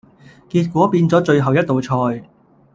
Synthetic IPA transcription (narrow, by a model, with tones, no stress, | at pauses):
kiː˧t̚kʷɔː˨˥piː˧nt͡sɔː˨˥t͡ʃɵ˧ɥɦɐ˨˩wjɐ˥t̚t̪ːo˨wt͡ʃʰɔː˧j